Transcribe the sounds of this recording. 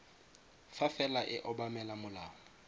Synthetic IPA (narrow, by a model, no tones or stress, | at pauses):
fafɛlaʔɪʔɔbamɛlamʊlaːŋɔ